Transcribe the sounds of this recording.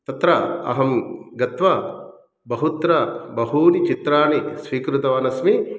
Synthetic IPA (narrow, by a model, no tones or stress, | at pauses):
t̪ɐt̪ɾɐɐ̰ɦɐmɡɐt̪ʋɐ | bɐɦut̪ɾɐbɐɦuːnit͡ʃit̪ɾaːnisʋiːkɾut̪ɐʋaːnɐsmi